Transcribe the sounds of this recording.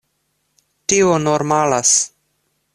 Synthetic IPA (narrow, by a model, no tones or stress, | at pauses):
tionoɾmalas